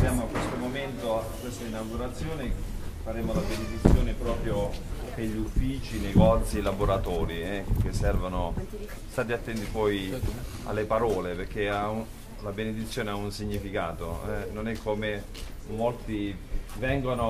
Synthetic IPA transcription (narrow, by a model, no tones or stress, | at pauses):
sjaːmoakːwest̪omoment̪oakːwest̪ainawɡuɾat̪sːjoːne | faɾeːmolabened̪it̪sːjoːnepɾɔːpɾjo | peʎːufːiːt͡ʃinejɡɔt̪silaboɾat̪ɔːɾiɛkesːɛrvono | st̪aːt̪̬iat̪ːɛnt̪ipɔj | a̰lːepaɾɔːlepeɾk̟ːeau | labened̪it̪sːjoːneaunsiɲːifikaːt̪oɛnonɛkʰːome | molt̪ivɛŋɡono